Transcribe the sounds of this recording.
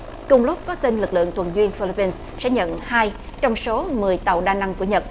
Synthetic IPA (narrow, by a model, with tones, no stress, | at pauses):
kʊ˨˩ŋ͡mlʊ˦˥p̚kɔ˨˦t̪i˧nlɨ˨˩k̚lɨ̰˧˨əŋt̪ʰwə˨˩nzwi˧ənfi˧li˧pi˧ns | sɛ̰˧˥ɲə̰˧˨nhaː˧j | t͡ɕɔ˧wŋ͡mso˨˦mɨ˨˩əjt̪a˨˩˨wɗaː˧na˧ŋku˧˩əɲə˨˩t̚